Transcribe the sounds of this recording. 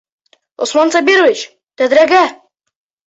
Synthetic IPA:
osmɑnsabʲiɾovit͡ɕ | t̪æd̪ɾæɡæ

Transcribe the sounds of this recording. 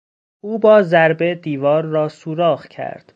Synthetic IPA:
uːbɒːzæɾbe̞d̪iːvɒːɾːɒːsuːɾɒːɣcʰæ̰ɾd̪̥

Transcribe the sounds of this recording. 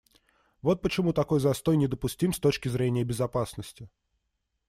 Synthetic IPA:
vo̞t̪̚pət͡ɕɪmut̪ɐko̞jzɐst̪o̞jnʲɪd̪əpʊsʲtʲimst̪o̞t͡ɕkʲɪzɾʲenʲɪjəbʲɪzɐpasnəsʲtʲɪ

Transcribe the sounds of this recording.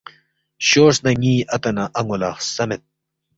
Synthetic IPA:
ɕoːsnɐŋiːʔɐt̪ɐnɐʔɐŋulaːχsɐmet̪̚

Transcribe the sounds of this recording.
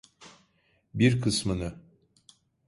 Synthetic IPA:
biɾkʰɯsmɯnɯ

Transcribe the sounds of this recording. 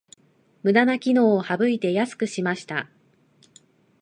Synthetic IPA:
mɯ̟d̪anakʲino̞ːhabɯ̟it̪e̞jasɨ̥kɯ̟ɕimaɕi̥t̪a

